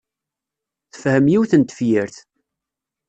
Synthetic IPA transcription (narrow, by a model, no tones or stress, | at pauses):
θə̥fhəmjiwθənt̪ə̥fjiɾθ